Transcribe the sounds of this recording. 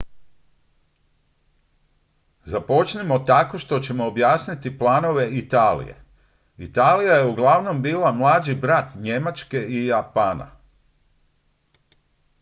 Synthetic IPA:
zapo̞t͡ʃnimo̞t̪ako̞ʃt̪o̞t͡ɕe̞mo̞ːbjaːsnit̪iplˠaːno̞ʋe̞it̪aːlḭje̞̰ | it̪aːlijaje̞uɡlˠaʋno̞mbiːlˠamlˠaːd͡ʒibɾat̪ɲe̞mat͡ʃke̞ijapaːna̰

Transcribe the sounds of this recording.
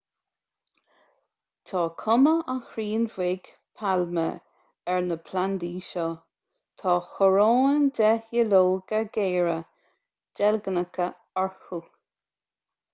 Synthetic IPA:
t̪ʰɑːkʰʊməaxɾiːnvɪɡ̥ | pʰalmə̰ | ɛɹnəpʰland̪iːʃɔ | t̪ʰɑːxəɹoːndɛhjəloːɡaɡeːɹə | d͡ʒ̥ɛlɡənəkʰə | aɹhu

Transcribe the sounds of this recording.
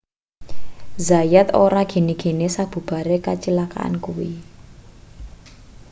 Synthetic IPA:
zajat̪oɾaɡ̥e̤niɡ̥e̤nesab̥ṳb̥a̤ɾekat͡ʃilaka̰a̰nkuwi

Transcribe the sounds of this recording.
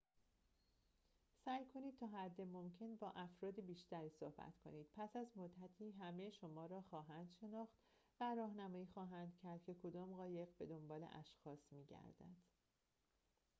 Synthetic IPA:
sæːjkʰo̞niːd̪̚t̪ʰɒːɦæd̪ːemo̞mcʰe̞nbɒːʔæfɾɒːd̪ibiːʃt̪æɾiːso̞hbæ̰t̪kʰo̞̰niːd̪̥̚pʰæsæzmod̪ːæt̪ʰiːɦæme̞ʃomɒːɾɒːxɒːɦænd̪̥ʃe̞nɒːxt̪ | væɾɒːɦnæmɒːjiːxɒːɦænd̪̥cʰæɾd̪̥̚kcʰe̞kʰo̞d̪ɒːmɢɒːje̞ɣbe̞d̪o̞mbɒːle̞̰ʔæ̰ʃxɒːsmiːɟæ̰ɾd̪æ̰d̪̥

